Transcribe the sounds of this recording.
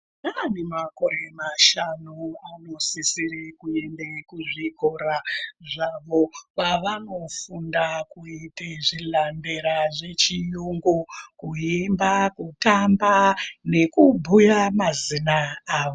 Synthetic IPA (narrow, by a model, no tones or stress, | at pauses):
nanemako̞ɾe̞maʃanuano̞sisiɾekuendekuʐikoɾaʐaʋo̞ʋaʋano̞fundakuiteʐilamde̞ɾaʐe̞t͡ʃijuŋɡokujembakutambane̞kubʱujamazinaaːʋo